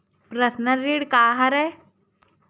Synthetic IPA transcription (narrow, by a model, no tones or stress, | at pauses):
pɾɐsnəɾiɽkaːɦɐɾɛ